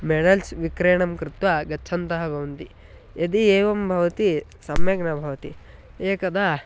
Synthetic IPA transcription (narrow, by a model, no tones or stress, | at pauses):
meɽɐlsʋikɾeːɳɐmkɾɪt̪ʋɐɡɐːt͡ʃʰɐnt̪ɐɦɐbʱɐʋɐnt̪i | ɐd̪ieːʋɐmbʱɐʋɐt̪isɐmjɐɡnɐbʱɐʋɐt̪i | eːkɐd̪a